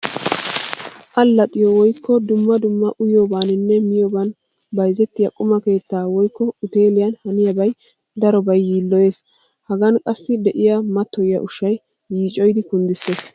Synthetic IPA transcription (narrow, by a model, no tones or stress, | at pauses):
ʔɐlːɐt̪ʼɪjɔwɔjkːɔd̪ʊmːɐd̪ʊmːɐʔʊjoːbaːnɪnːɛmɪjoːban | bɐjzɛt̪ːɪjɐkʼʊmɐke̞ːt̪ːaːwɔjkːɔʊt̪e̞ːlɪjɐnhɐnɪjɐbɐj | d̪ɐɾɔbɐjːiːlːɔje̞ːs | hɐɡɐnkʼɐsːɪd̪ɛʔɪjɐmɐt̪ːɔjɪjɐ̰ʔʊʃɐj | jiːt͡ʃʼɔjd̪ɪkʊnd̪ɪsːe̞ːs